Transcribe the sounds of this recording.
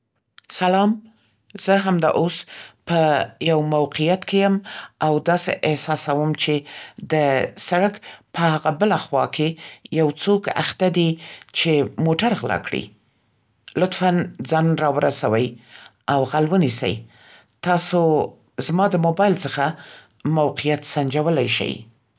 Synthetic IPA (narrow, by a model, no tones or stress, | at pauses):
salɑm | z̥əɦamd̪ɑ̰ʔospəjawmawqijat̪kejəmawd̪ɑsḛʔɪhsɑsawəmt͡ʃed̪əsaɽakpəhaɣabəlaxwɑ̰kʰejawt͡soka̰xt̪ad̪it͡ʃemoʈaɾɣlɑ̰kɽḭ | lʊt̪fand͡zɑnɾɑwəɾasawəj | awɣalwənisə̰j | t̪ɑso | zmɑd̪əmobɑjlt͡səxa | mawqijat̪sand͡ʒawəlajʃa̰j